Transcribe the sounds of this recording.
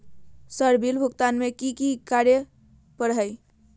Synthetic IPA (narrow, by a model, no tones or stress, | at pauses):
səɾbilbʱukt̪anmekikikaɾjə | pəɾɦəj